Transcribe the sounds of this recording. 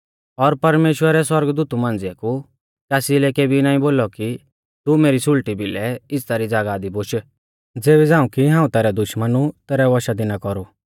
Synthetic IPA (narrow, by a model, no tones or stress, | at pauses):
ɔɾpɐɾmeːʃwəɾɛswɐɾɡd̪uːt̪umãːnd͡zɪaku | kɛːsilɛkeːbinãːĩboːlɔki | t̪umeːɾisʊlʈibilɛɪst̪aːɾid͡zaːɡaːd̪iboʃ | d͡zeːbɛd͡zãːũkiɦãːũt̪ɛːɾɛd̪ʊʃmənut̪ɛːɾɛʋɔʃad̪ɪnakɔɾu